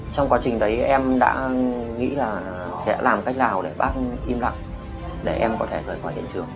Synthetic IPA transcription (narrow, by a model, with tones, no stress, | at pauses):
t͡ɕɔ˧wŋ͡mkwaː˨˦t͡ɕï˨˩ŋ̟ɗə˨˦jʔɛ˧mɗa̰ː˧˥ŋḭ˧˥laː˨˩ | sɛ̰˧˥laː˨˩mka˦˥jk̚laː˨˩wɗe˧˩ɓaː˦˥t̚ʔi˧mla̰˧˨ŋ | ɗe˧˩ʔɛ˧mkɔ˨˦t̪ʰe˧˩zəː˨˩jxwa˧˩t̪ḭ˧˨nt͡ɕɨ˨˩əŋ